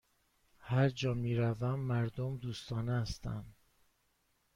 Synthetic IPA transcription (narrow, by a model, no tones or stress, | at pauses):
hæɾd͡ʒɒːmiːɾævæmːæɾd̪omd̪uːst̪ɒːnest̪æ̰n